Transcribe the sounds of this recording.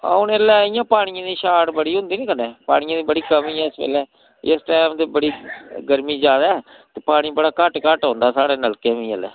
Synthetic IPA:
a̰ʊnelɛːɪjãːpaːɽ̃ijãːd̪iːʃaːʈbəɽiːɦʊ̃nd̪iːniːkəneːpa̰ːɽɪjãːd̪iːbəɽiːkəmĩːɛːɪspɛ̰ːlɛː | ɪsʈaːmd̪eːbəɽiːɡəɾmiːd͡ʒaːd̪aː | t̪eːpaːɽ̃ibəɽaːkəʈkəʈɦõːnd̪aːsaːɽeːnəlkemĩːəlɛ̰ː

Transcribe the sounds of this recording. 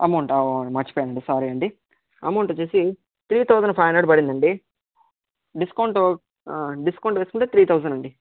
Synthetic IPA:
ɐmɐwɳʈɐmɐɾt͡ʃi̥pɔːjaːɳɖɐɳɖisaːɾiɐɳɖi | ɐ̰mɐwɳʈot͡ʃuːsi | t̪ɾiːt̪ʰɐwzɐɳɖpʰɐjnɐːɖbɐɽind̪ɐɳɖi | ɖiskɐwɳʈo | ɖiskɐwɳʈʋeːskuɳʈeːt̪ɾiːt̪ʰɐwzɐnɖɐɳɖi

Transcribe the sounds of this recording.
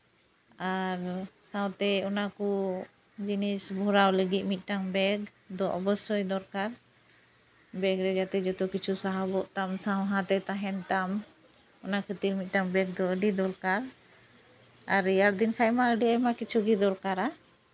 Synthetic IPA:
aɾsãw̃t̪ɛɔnakɔ | d͡ʒinisbʱuɾawləɡit̪̚mit̪̚ˀʈaŋbɛɡ | d̪ɔʔɔbɔsɔjd̪ɔɾkaɾ | bɛɡɾɛd͡ʒat̪ɛd͡ʒɔt̪ɔkit͡ʃʰusaɦabɔʔt̪amsawɦãt̪ɛt̪aɦɛnt̪am | ɔnakʰət̪iɾmit̪̚ˀʈaŋbɛɡ̚d̪ɔəɖid̪ɔɾkaɾ | aɾijaɾd̪inkʰajmaəɖiajmakit͡ʃʰuɡid̪ɔɾkaɾa

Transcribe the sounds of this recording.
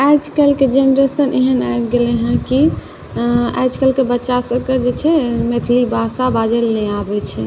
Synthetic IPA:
ajd͡ʒkelked͡ʒenɾesəneɦənajbɡelɛɦə̃ki | a̰jd͡ʒkelkebətːʃasəbked͡ʒet͡ʃʰɛmet̪ʰlibʱasabad͡ʒelnɛabɛt͡ʃʰɛ

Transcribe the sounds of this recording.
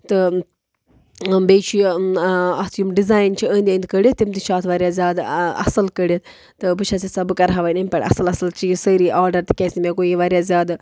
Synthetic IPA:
t̪ɨ | beːt͡ʃʰi | ɐsjumɖizaːjnt͡ʃʰiə̃nd̪ʲend̪kəɽʲjit̪ːimt̪iʃaːt̪ʰʋaːɾʲjazʲaːd̪ɐ̰sɨlkəɽet̪ | t̪ɨbɨt͡ʃʰɐsisɐbɨkɐɾɦaʋajnɐmʲpɐɽɐ̰sɨlɐsɨlt͡ʃisəɾiːʔaːɾɖɐɾt̪i̥kʲɛsʲimʲekojiʋaːɾjazʲjaːd̪

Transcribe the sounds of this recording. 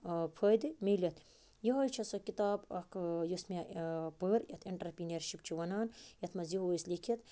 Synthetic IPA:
pʰəjd̪ɨmilɐt̪ʰ | jiɦɐjt͡ʃʰɐsokit̪aːbɐkʰjosmapəɾjɐt̪ʰiɳʈɐɾpineɾʃipt͡ʃʰiʋɐnaːnjɐt̪ʰmɐziɦoːjslikʰit̪

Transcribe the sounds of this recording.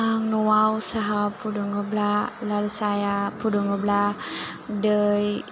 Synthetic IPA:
aŋnuwawsaɦapuduŋəblalaləsajapuduŋəbla | dəj

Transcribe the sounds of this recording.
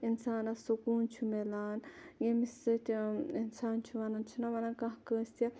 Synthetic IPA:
insaːnɐsukuːnt͡ʃʰumelaːnjemisɐt̪ʰʲinsaːnt͡ʃʰuʋɐnant͡ʃʰunɐʋɐnɐnkɐ̃ɦkəːsʲt̪ʲa

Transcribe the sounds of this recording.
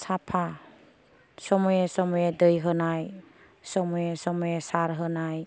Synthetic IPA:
sapʰa | sɔmɔjesɔmɔjedɯjɦɯnaj | sɔmɔjesɔmɔjesaɾɦɯnaj

